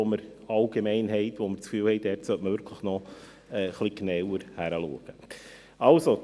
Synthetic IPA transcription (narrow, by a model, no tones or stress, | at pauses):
oməɾɑlɡ̥emɛɪnɦɛɪtʋoməɾt͡skfyːlhɛɪd̥ɛːɾtsœtməvʏɾkʰləχnɔ | ɛːχliɡnɛwəɾhæɾəlṵəɡ̥ə | ɑlso